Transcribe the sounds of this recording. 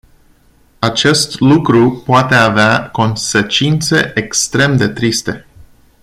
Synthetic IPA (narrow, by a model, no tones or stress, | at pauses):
at͡ʃe̞st̪lukɾupoat̪e̞aveako̞nse̞t͡ʃint̪se̞̰ʔekst̪ɾe̞md̪e̞t̪ɾist̪e̞